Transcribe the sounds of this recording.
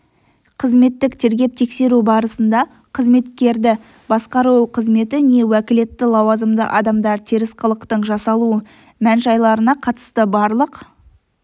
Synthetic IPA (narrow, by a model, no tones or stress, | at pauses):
qʰəzme̞t̪ːɪkt̪ʰe̞ɾɡʲe̞p̚t̪ʰe̞kse̞ɾubɑɾəsənd̪ɑ | qʰəzme̞t̪kʲe̞ɾd̪ɪ | bɑsqɑɾuwqʰəzme̞t̪ɪne̞wækʲɪle̞t̪ːɪlˠɑwɑzəmd̪ə̰ʔɑd̪ɑmd̪ɑɾt̪ʰeɾɪsqʰəlˠəqt̪əɴʒɑsɑlˠuə | mænʒɑjlˠɑɾənɑqʰɑt̪ə̥st̪əbɑɾlˠəq